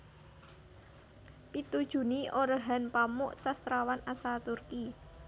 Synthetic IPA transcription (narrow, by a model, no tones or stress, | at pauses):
pit̪ud̥ʒ̥ṳniʔoɾəɦa̤npamʊʔsast̪ɾawanasat̪urki